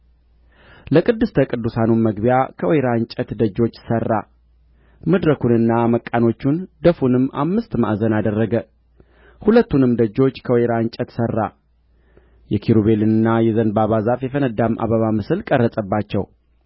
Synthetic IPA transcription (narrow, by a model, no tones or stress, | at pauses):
ləkʼɨd̪ːɨst̪ʰəkʼɨd̪ːusanunməɡbijakʰəweɾaɲt͡ʃʼət̪d̪əd͡ʒːo̞t͡ʃːsərːa̰ | məd̪ɾəkunɨnːaməkʼːano̞t͡ʃːund̪əfunɨmːa̰mːɨst̪ma̰ʔzənad̪ərːəɡə | hulət̪ːunɨmd̪əd͡ʒːo̞t͡ʃːkʰəweɾaɲt͡ʃʼət̪sərːa̰ | jɛkʰiɾuβe̞lɨnɨnːajɛzənbaβazafjɛfənəd̪ːamʔa̰βəβamɨsɨlkʼərːəsʼəbːat͡ʃːɛw